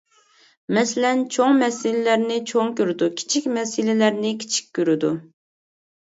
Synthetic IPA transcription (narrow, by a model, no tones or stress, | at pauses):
mɛsɪlɛnt͡ʃʰoŋmɛsɪlɪlæɾnɪt͡ʃʰoŋkʲøɾɪd̪ukʲʰi̥t͡ʃʰikʲmɛsɪlɪlæɾnɪkʲʰi̥t͡ʃʰi̥kʲːøɾɪd̪u